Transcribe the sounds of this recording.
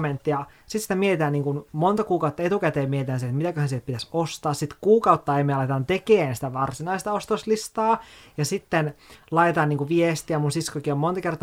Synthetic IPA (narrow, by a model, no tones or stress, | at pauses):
ment̪ːijɑ | sit̪si̥t̪æmiet̪it̪æniːŋkunmont̪ɑkuːkɑut̪ːɑet̪ukæt̪eːmiet̪it̪æːnsiet̪mit̪ækøhænsielpit̪æsost̪ɑːssit̪kuːkɑut̪ːɑemieælɑit̪et̪ɑnt̪ekeːnsi̥t̪æʋɑrsinɑist̪ɑost̪oslist̪ɑːjɑsit̪ːenlɑjet̪ɑnniːŋkuʋiest̪iæmunsiskokiommont̪ɑkert̪ɑ